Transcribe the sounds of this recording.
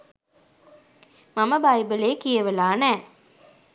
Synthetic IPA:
maməbajbəleːkijəʋəlaːnæː

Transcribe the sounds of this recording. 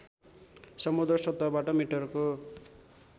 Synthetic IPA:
sʌmud̪rʌsʌt̪ːʌbaʈʌmiʈʌrko

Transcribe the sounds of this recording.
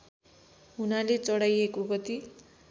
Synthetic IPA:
ɦunalet͡sʌɽajekoɡʌt̪i

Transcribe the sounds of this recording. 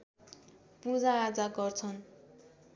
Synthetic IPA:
pud͡zaːd͡zaɡʌrt͡sʰʌn

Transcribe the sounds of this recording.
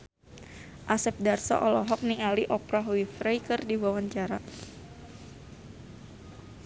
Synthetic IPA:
ʔasɛp̚darsɔ̰ʔɔlɔɦɔk̚niŋaliʔɔpɾaɦwifɾejkɨrdiwawaɲt͡ʃaɾa

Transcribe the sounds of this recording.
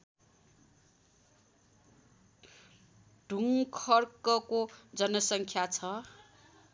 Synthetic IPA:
ɖ̥ʱuŋkʰʌrkʌkod͡zʌnʌsʌŋkʰjat͡sʰʌ

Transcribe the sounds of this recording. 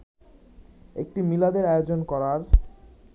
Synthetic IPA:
ḛk̚ʈimilad̪eɾaeod͡ʑonkɔɾaɾ

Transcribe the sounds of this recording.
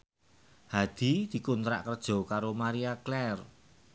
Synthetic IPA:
had̪̥i̤d̪̥i̤kunt̪ɾa̰ʔkərd̥ʒ̥ɔ̤kaɾomaɾiaklɛr

